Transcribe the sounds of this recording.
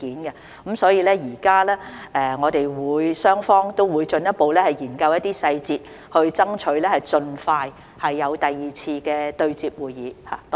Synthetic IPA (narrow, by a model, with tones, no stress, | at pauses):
iː˨˥nkɛ˧ | kɐ˨˥msɔː˨˥jiː˨˧lɛː˥jiː˨˩kaː˥lɛː˥ʔɛ˨ŋɔː˨˧t̪e˨jwuː˨˧jsœː˥ŋfɔː˥ŋt̪o˥wwuː˨˧jt͡sɵ˧njɐ˥t̚po˨wlɛː˥hɐ˨˩jjiː˨˩nkɐ˧wjɐ˥t̪ːiː˥sɐ˧jt͡siː˧t̚ | hɵ˧ɥt͡sɐ˥ŋt͡ʃʰɵ˨˥ɥlɛː˥hɐ˨jt͡sɵ˧nfaː˧j | hɐ˨jːɐ˨˧wt̪ɐ˨jiː˨˩t͡sʰiː˧kɛː˧t̪ɵ˧ɥt͡siː˧p̚wuː˨jiː˨˥ha̰ː˨t̪